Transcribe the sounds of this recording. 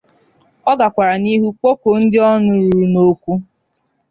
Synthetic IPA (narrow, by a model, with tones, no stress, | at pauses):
ɔ˦ɡa˨kʷa˨ɾa˨ni˦ɦu˦k͡po˦ko˨n̩˦dɪ˦ɔ˦nʊ˦ɾu˨ɾu˨no˦kʷu˦